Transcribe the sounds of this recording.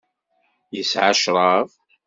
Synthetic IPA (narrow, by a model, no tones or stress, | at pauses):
jəsʕaʃɾˤɑv